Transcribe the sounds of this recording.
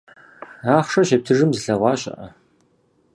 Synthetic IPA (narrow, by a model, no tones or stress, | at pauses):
aːχʂɐɕɐp̚tʰɨʐɨmzɨɬɐʁʷɑːɕʼɐ̰ʔɐ̰